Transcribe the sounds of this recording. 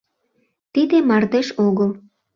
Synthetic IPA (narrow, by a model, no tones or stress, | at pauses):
t̪id̪emɑrt̪eʃoɣəl